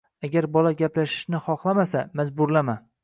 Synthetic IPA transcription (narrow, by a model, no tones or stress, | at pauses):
aɡʲaɾbɒlaɡʲaplaʃɪ̥ʃnɪχɒχlˠamasamazbʊɾlama